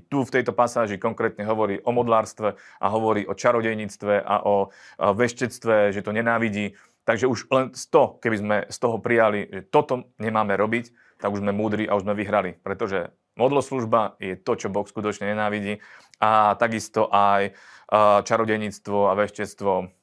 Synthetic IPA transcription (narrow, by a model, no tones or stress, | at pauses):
t̪uft̪ɛjt̪ɔpasaːʒikɔŋkɾɛːt̪ɲɛɦɔʋɔɾiːʔɔmɔd̪laːɾst̪ʋɛʔa̰ɦɔʋɔɾiːʔɔt͡ʃaɾɔɟɛjɲiːt͡st̪ʋɛʔa̰ʔɔʋɛʃcɛt͡st̪ʋɛʒɛt̪ɔɲɛnaːʋiɟiː | t̪aɡʒɛuʒlɛnst̪ɔkɛbizmɛst̪ɔɦɔpɾijaliʒɛt̪ɔt̪ɔɲɛmaːmɛɾɔbic | t̪aɡuʒzmɛmuːd̪ɾiʔa̰uʒzmɛʋiɦɾalipɾɛt̪ɔʒɛ | mɔd̪lɔsluʒbajɛt̪ɔt͡ʃɔbɔxskut̪ɔt͡ʃɲɛɲɛnaːʋiɟiː | at̪aɡist̪ɔʔaj | t͡ʃaɾɔɟɛjɲit͡st̪ʋɔaʋɛʃcɛt͡st̪ʋɔ